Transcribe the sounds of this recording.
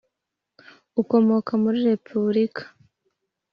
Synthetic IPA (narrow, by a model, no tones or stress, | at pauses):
uko̞mo̞kamuɾiɾe̞pʰuβɾikʰḁ